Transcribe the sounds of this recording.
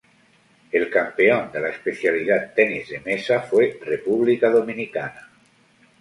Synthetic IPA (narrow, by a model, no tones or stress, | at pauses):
elkampeond̪elaespeθjaliðat̪ːɛnizðemesafwerepuβ̞likaðominikana